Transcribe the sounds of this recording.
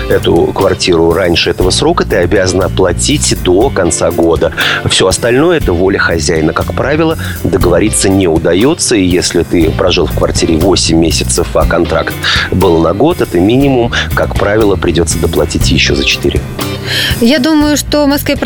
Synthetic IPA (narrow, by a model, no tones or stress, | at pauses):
ɛt̪ʊ̰kvɐrtʲiɾʊɾanʲʂɨɛt̪əvəsɾo̞kət̪ɨɐbʲazənəplˠɐtʲitʲd̪o̞kɐnt̪saɡo̞d̪əfsʲo̞ɐst̪ɐlʲno̞jəɛt̪əvo̞lʲəxɐzʲæjnəkakpɾavʲɪlˠə | d̪əɡəvɐɾʲit̪sːənʲeʊd̪ɐjo̞t̪səijesʲlʲɪt̪ɨpɾɐʐɨlˠfkvɐrtʲiɾʲɪvo̞sʲɪmʲːesʲɪt̪səfɐkɐnt̪ɾa̰kt̪bɨlˠnɐɡo̞t̪ɛt̪əmʲinʲɪmʊmkakpɾavʲɪlˠəpɾʲɪdʲo̞t̪sːəd̪əplˠɐtʲitʲjɪɕːo̰zət͡ɕɪ̥t̪ɨ̰ɾʲɪ̰ | jad̪uməjʊʂt̪omɐskvʲep